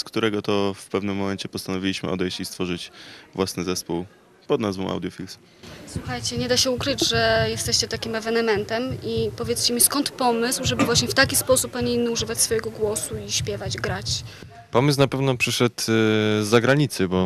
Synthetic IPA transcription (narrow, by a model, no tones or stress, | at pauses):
skt̪uɾɛɡɔt̪ɔfpɛvnɘmːɔmɛnt͡ɕɛpɔst̪anɔvʲilʲiɕmɘ̰ʔɔ̰d̪ɛjɕt͡ɕist̪fɔʐɘt͡ɕvwasnɘzɛspuw | pɔd̪nazvɔ̃w̃ʔa̰wd̪jɔfʲils | swuxajt͡ɕɛɲɛd̪aɕɛukɾɘd͡ʑʐɛjɛst̪ɛɕt͡ɕɛt̪akʲimɛvɛnɛmɛnt̪ɛmipɔvʲjɛt̪st͡ɕɛmʲiskɔnt̪pɔmɘswʐɛbɘvwaɕɲɛft̪akʲispɔsupːaɲiinːɘuʐɘvat͡ɕsfɔjɛɡɔɡwɔsuiɕpʲjɛvad͡ʑɡɾat͡ɕ | pɔmɘswnapɛvnɔpʂɘʂɛt̪zːaɡɾaɲit̪sɘbɔ